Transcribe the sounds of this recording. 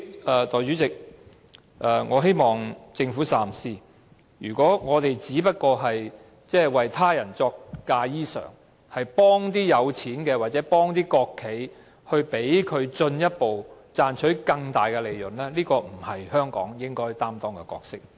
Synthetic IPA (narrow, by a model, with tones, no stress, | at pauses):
ɛː˨t̪ɔː˨˩jt͡ʃyː˨˥t͡sɪ˨k̚ | ʔɛː˨˩ŋɔː˨˧ɦe˥jmɔː˨ŋt͡sɪ˧ŋfuː˨˥saː˨˩msiː˥˩ | jyː˨˩kʷɔː˨˥ŋɔː˨˧t̪e˨jt͡siː˨˥pɐ˥t̚kɔː˧ɦɐ˨j | t͡sɛː˥˩wɐ˨jt̪ʰaː˥jɐ˨˩nt͡sɔː˧k̚ːaː˧jiː˥sœ̰ː˨˩ŋ | hɐ˨jpɔː˥ŋt̪iː˥jɐ˨˧wt͡sʰiː˨˥nkɛː˧waː˨t̚t͡sɛː˨˥pɔː˥ŋt̪iː˥kɔː˧kʰːe˨˥j | hɵ˧ɥpe˨˥jkʰɵ˨˧ɥt͡sɵ˧njɐ˥t̚po˨w | t͡saː˧nt͡ʃʰɵ˨˥ɥkɐ˧ŋt̪aː˨˩jkɛ˧le˨jlɵ˨˩nlɛː˥liː˥kɔː˧m̩˨˩hɐ˨jhœː˥ŋkɔ̰ː˨˥ŋjɪ˥ŋkɔː˥jt̪aː˥mt̪ɔː˥ŋkɛ˧kɔ̰ː˧k̚sɪ˥k̚